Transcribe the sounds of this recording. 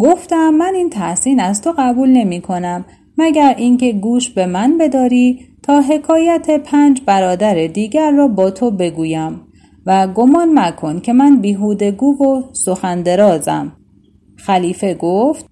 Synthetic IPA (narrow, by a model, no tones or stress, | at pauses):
ɡo̞ft̪æmːæniːnt̪ʰæsiːnæzt̪ʰo̞ɣæbuːlne̞miːkʰo̞næmː | æɟæɾincʰe̞ɡuːʃbe̞mænbe̞d̪ɒːɾiːt̪ʰɒːɦe̞kʰɒːjæt̪ʰe̞pʰæːnd͡ʒbæɾɒːd̪æɾed̪iːɟæɾːɒːbɒːt̪ʰo̞be̞ɡuːjæm | væɡomɒːnnækʰo̞ncʰe̞mænbiːɦuːd̪e̞ɡuːvo̞so̞xænd̪e̞ɾɒːzæ̰m | xæliːfe̞ɡoft̪